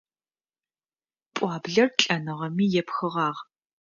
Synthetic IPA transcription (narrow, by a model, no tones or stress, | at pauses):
pʷʼɑːbɮɐrɬʼɐnɨʁɐmiːjɛpxɨʁɑːʁ